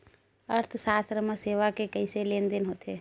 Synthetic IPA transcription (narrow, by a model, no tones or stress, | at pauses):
əɾt̪ʰsaːst̪ɾəmeseːʋakekəɪseleːnd̪ɪnɦoːt̪e